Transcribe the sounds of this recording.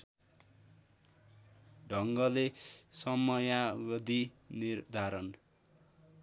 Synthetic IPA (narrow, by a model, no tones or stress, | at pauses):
ɖʱʌŋɡʌlesʌmʌjawʌd̪ʱi | nird̪ʱaɾʌn